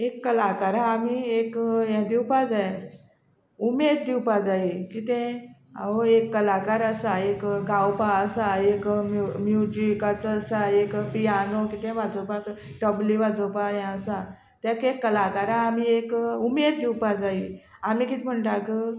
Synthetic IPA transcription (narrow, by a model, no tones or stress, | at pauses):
ekːəlakaɾãːmiekjãd̪iwpad͡zaj | umed̪d̪iwpad͡zaikit̪ẽaoekːəlakaɾəsaekɡawpaəsaekmmjud͡ʑikat͡səsaekpijanokit̪ẽʋad͡zopak | ʈɔbliʋad͡zopajɛ̃əsa | t̪jãkekːəlakaɾãːm̤iekumed̪̚d̪iwpad͡zaiamiːkit̪im̤əɳʈakə